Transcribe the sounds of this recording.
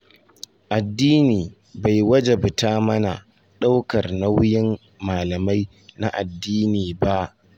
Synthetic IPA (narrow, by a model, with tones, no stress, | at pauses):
ʔa˨dːiː˦niː˨ | ba˨jwɐ˦d͡ʒe˨bʊ˨taː˦mɐ˦na̰˨ | ɗa˦wkɐ˨rna˦wjɪ˦mː | aː˨lɐ˨ma˦j | na˦ʔa˨dːiː˦niː˨ba˦ʔ